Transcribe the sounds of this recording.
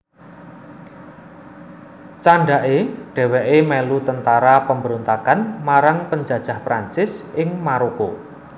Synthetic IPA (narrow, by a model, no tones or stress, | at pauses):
t͡ʃaɳɖaʔeɖ̥ɛ̤wɛʔemɛlut̪ənt̪aɾapəmbəɾont̪akanmaɾaŋpəɲd͡ʒä̤d̥ʒ̥a̤hpɾaɲt͡ʃɪsɪŋmaɾoko